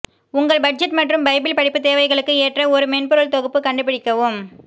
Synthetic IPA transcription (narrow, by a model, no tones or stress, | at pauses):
ʊŋɡɐɭbɐʈ̚d͡ʒɛʈmɐʈrɯmbɐɪbɪlpɐɽɪpːɯt̪eːʋɐɪɣɐɭɯkːɯeːʈrɐɔɾɯmɛnpɯɾɐɭt̪ɔɣɯpːɯkɐɳɖɯp̬ɪɽɪkːɐʋɯm